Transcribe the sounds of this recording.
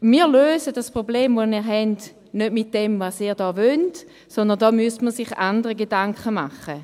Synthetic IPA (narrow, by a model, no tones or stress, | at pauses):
miːløːsədaspʁobleːmvomiːʁɦɛnd | nødmit̚d̥ɛmvasiːʁdɔːvønt | sɔndəndɔːmyəstməsɪχandəʁəɡedaŋkχəma̰χə